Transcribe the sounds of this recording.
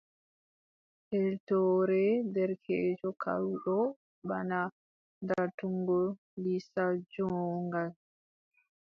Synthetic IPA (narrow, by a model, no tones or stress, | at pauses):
ʔɛltɔːɾɛdɛɾkʰeːd͡ʒɔkʰa̰wɗɔ | bana | ndatuŋɡɔ | lisad͡ʒɔːŋɡal